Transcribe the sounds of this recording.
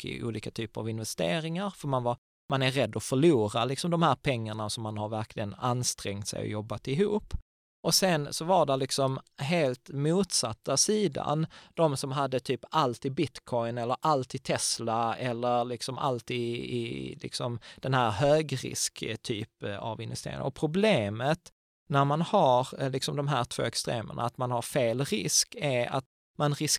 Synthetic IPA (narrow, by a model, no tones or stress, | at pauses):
kɪ̰ʔṵːliːkat̪ʰyːpəɾa̰vɪnvɛst̪eːɾɪŋaɾfœɾmanvaɾ | manæɾːɛd̪ːɔfœɭuːɾalɪksɔmd̪ɔmhæːɾpʰɛŋːaɳasɔmːanhaɾvæɾklɪɡənanst̪ɾɛŋt̪sɛ̰jɔ̰jɔbːat̪ɪɦuːpː | ʔɔsɛnsɔvaɾɖɛlɪksɔmɦeːlt̪muːt̪sat̪ːasiːd̪a̰nd̪̥ɔmsɔmɦad̪ːət̪ʰyːpalt̪ɪbɪt̪kʰɔɪnɛlːəɾʔalt̪ɪt̪ʰɛslaɛlːəɾlɪksɔmʔa̰lt̪iːɪ̰lɪ̰ksɔmd̪̥ɛnɦæːɾɦøːɡɾɪ̰skt̪ʰy̰ːpa̰vɪnvɛst̪ḛːɾɪ̰ŋ̰ɔpʰɾʊbleːmət̪ | næɾmanhaɾlɪksɔmd̪ɔmɦæːɾʈ̪ʰv̥o̰ːɛkst̪ɾḛːmə̰ɳa̰ːt̪manhaɾfeːlɾɪ̰skæɾa̰t̪ | manɾɪs